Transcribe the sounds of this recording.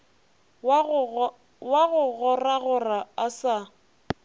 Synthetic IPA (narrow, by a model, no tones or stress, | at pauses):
waɣʊɣʊraɣʊraasa